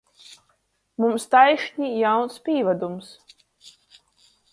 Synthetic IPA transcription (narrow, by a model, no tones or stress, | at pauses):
mumst̪ajʃɲʲijawnspʲiːvad̪ums